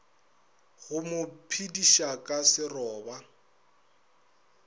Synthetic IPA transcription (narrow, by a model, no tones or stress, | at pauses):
ɣʊmʊpʰidiʃakʼasɪrɔːba